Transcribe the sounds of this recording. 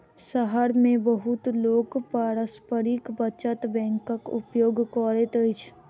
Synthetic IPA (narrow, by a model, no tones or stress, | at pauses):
səɦəɾmẽbəɦʊt̪loːkpaːɾəspəɾikbət͡ʃət̪bɛ̃ːŋkəkʊ̰pjoːɡkɔːɾet̪əɪt͡ʃʰ